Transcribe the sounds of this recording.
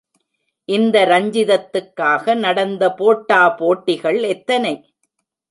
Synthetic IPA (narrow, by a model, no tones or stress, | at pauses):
ʔɪnd̪ɐɾɐɲd͡ʒɪðɐt̪ːɯkːaːɣɐnɐɽɐnd̪ɐpoːʈːaːpoːʈːɪɣɐɭɛt̪ːɐnɐɪ